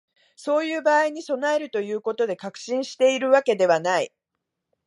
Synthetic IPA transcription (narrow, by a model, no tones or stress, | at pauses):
so̞ːjɯ̟ːbaːiɲ̟iso̞nae̞ɾɯ̟t̪o̞jɯ̟ːko̞t̪o̞d̪e̞kakɯ̟̥ɕĩɰ̃ɕi̥t̪e̞iɾɯ̟βake̞d̪e̞β̞anai